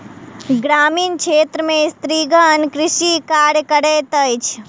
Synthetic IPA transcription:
ɡɾaːmiːnkʃʰeːt̪ɾəmẽst̪ɾiːɡənkɾɪʃikaːɾjkəɽeːt̪əjt͡ʃʰ

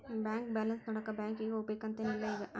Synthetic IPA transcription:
baːŋk̚bɛːlɐnsnɔɽɐkːɐbaːŋkɪɡɐʊpekːɐnt̪ːenɪlːɐɪɡɐʔ

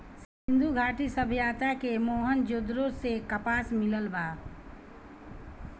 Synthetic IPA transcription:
s | ɪ̃nd̪ʱuɡʱaːʈisəbʱjat̪akemoːɦənd͡ʒod̪ɾosekəpaːsmɪləlba

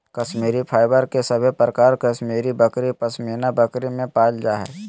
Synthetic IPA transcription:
kɐʃmiːɾipʰaːɪbəɾkesɐbʱepɾəkaːɾkɐʃmiːɾibəkɾipɐsmiːnabɐkɾimẽpaːld͡ʒaːɦɛ̰

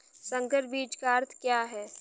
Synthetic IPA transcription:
sɐ̃ŋɡəɾbiːd͡ʒkaːɾt̪kjaːɦɛː

